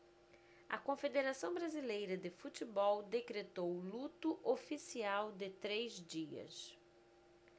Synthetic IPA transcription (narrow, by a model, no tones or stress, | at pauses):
ɐ̰kõfed̪eɾasɐ̃w̃bɾazilejɾɐd̪ɪfut̪ibɔwd̪ekɾet̪owlut̪ʊʔofisiawd̪ɪt̪ɾejzd͡ʒiɐ̰s